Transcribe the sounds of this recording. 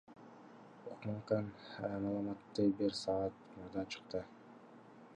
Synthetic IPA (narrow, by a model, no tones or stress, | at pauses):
oqmɑɴqɑnmɑlˠɑmɑt̪ːɯbiɾsɑːt̪muɾd̪ɑt͡ʃʰɯ̥qt̪ɯ